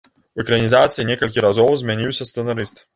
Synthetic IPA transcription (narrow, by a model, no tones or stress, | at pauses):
vʲɪkɾɐnʲizat̪sʲɨjɛnʲiɛkɐlʲkʲiɾɐzɔwsmʲɛnʲijʊsʲɛst̪sɛnɐɾʲist̪ɨ